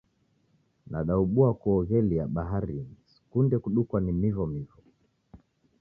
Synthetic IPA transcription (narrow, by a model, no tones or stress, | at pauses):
naɗauɓuakuɔɣɛliaɓaɦaɾisi̥kundɛkuɗukwanimivɔmivɔ